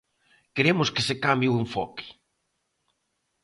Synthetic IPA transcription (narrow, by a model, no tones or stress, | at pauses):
keɾemʊskesekambjiueɱfɔkɪ̥